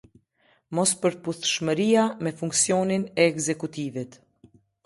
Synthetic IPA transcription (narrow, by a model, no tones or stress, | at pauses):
mɔspəɾpuθʃməɾiamɛfuŋksjɔninɛːkzɛkut̪ivit̪